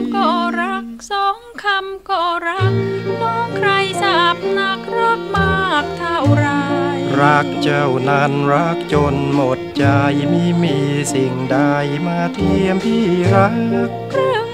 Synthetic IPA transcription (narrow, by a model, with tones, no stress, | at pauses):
kɔ˧˩ɾa˧˥k̚sɔ˧˥ŋkʰa˧mkɔ˧˩ɾa˧˥k̚mɔ˧˥kʰɾa˧jsa˧p̚na˧˥k̚rɔː˧˥k̚maː˧k̚t̪ʰa˧˩wɾa˧jra˧k̚t͡ɕə˧˩wna˧nra˧˥k̚t͡ɕo˧nmo˧˩t̪̚t͡ɕa˧jmi˧miː˧si˧˩ŋɗa˧jmaː˧t̪ʰi˧əmpʰiː˧˥ɾa˧˥k | rɯ˧əŋ